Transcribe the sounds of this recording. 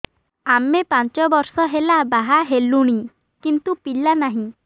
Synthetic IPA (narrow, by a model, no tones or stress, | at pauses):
amepant͡ʃɔbɔɾsɔɦelabaɦaɦeluɽ̃i | kint̪upilanaɦĩ